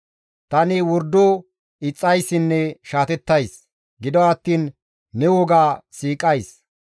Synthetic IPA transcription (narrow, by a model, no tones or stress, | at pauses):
t̪ɐnɪwɔɾd̪o | ɪt͡sʼːɐjsːɪnːɛʃaːt̪ɛt̪ːɐjs | ɡɪd̪ɔɐt̪ːiːnː | ɛwɔɡaːsiːkʼɐjs